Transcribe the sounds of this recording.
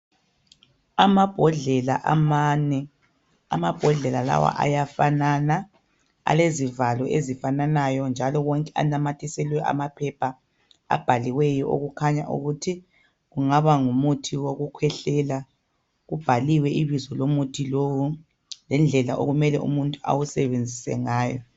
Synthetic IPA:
amab̥ʱɔɮɛlaʔamanɛ | a̰mab̥ʱɔɮɛlala̰wa̰ʔa̰jafanana | a̰lezivalɔʔezifananajɔnd͡ʒʱalɔwɔŋkʼɛa̰namatʰisɛlwɛʔa̰mapʰɛpʰa | a̰b̥ʱaliwɛjɔo̰ɣukʰaɲaʔṵɣutʰi | ɣuŋaβaŋumutʰiwoɣukʰwɛɬɛla | ɣub̥ʱaliwɛiβizɔlomutʰilowu | lɛnd͡ɮʱɛlaʔo̰ɣumɛlɛ̰ṵmuntʼua̰wusɛβend͡zʱisɛ̰ŋaːjɔ̰

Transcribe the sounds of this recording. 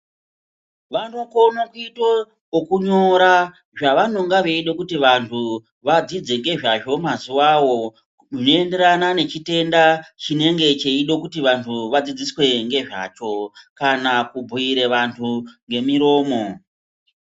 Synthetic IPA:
ʋantukonokuito | okuɲoɾa | ʐaʋano̞ŋɡaʋe̞iɗo̞kutiʋantʰu | ʋad͡zid͡ze̞ŋɡe̞ʐaʐo̞mazuwawo̞ | ʐinoe̞nde̞ɾanane̞t͡ʃite̞ndat͡ʃine̞ŋɡe̞t͡ʃe̞iɗo̞kutiʋantʰuʋad͡zid͡ziswe̞ŋɡe̞ʐa̰t͡ʃo̞kanakubʱuiɾe̞ʋantʰuŋɡe̞miɾo̞ːmo̞

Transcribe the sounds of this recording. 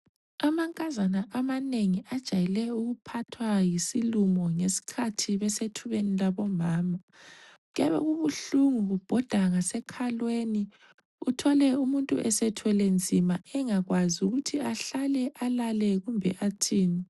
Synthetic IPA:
amaŋkʼazanaʔamaneŋiʔad̥ʒ̥ʱajilɛuɣupʰatʰwajisilumɔŋesi̥kʰatʰiβɛsetʰuβenilaβɔmaːma | ɣɛβɛ̰ɣuβuɬuŋuɣub̥ʱɔd̥ʱaŋasɛkʰalweni | utʰɔlɛumuntʼṵʔɛsɛtʰwɛlɛnd͡zʱimaɛŋaɣwazuɣutʰiaɬalɛʔalalɛɣumbʱɛ̰ʔatʰiːni

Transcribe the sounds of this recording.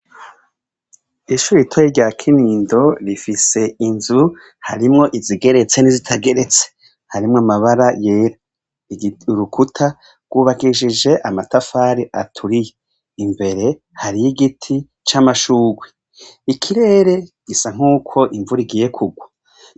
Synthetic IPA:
iʃuːɾitʰweiɾɟaːkʰiniːndo̞ɾifise̞inzu | ha̰ɾimŋo̞ʔiziɡe̞ɾe̞t͡se̞nizitʰaɡe̞ɾe̞t͡se̥ | haɾimŋamaβaɾajeːɾa | ɾukʰutʰa | ɡ̥wuːβaɡiʃid͡ʒe̞ʔamatafaːɾiʔa̰tʰuɾije | imbe̞ɾe̞ | haɾijiɡitʰi | t͡ʃamaʃuːɡwe | ikʰiɾe̞ːɾe̞ɡ̥isaŋ̥uːkʰo̞ʔiɱvuɾiɡiːje̞kʰuɡwa

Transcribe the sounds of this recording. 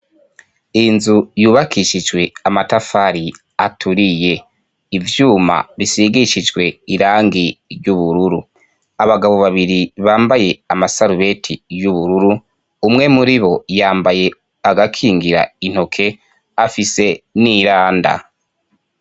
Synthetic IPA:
inzujuːβakʰiʃid͡ʒɡwe̞amatafaɾi | atʰuɾije̞ | ivjuːma̰βisiɡiʃid͡ʒɡwe̞iɾaːŋɡiɾɟuβuɾuɾu | aβaɡaβo̞βaβiɾiβaːmbaje̞amasaɾuβe̞tʰijuβuɾuɾuː | mŋe̞muɾiβo̞jaːmbaje̞ | aɡakʰiːŋɡiɾa̰in̥ho̞kʰe̞ | afise̞niɾaːnda̰

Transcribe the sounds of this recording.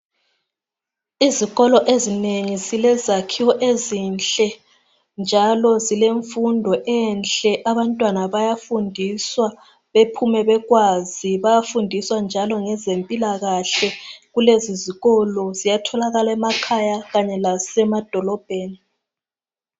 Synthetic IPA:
iziɣɔlɔʔezineŋizilɛzakʰiwɔʔezinɬʼɛ | nd͡ʒʱalɔzileɱfundʱɔʔɛnt͡ɬɛʔaβantʼwanaβajafundʱiswa | βepʰumɛβɛɣwaziβajafundʱiswand͡ʒʱalɔŋɛzempʼilaɣaɬɛɣuleziziɣɔlɔzijatʰɔlaɣalaɛmakʰajaɣaɲɛlasɛmad̥ʱɔlɔb̥ʱeːni

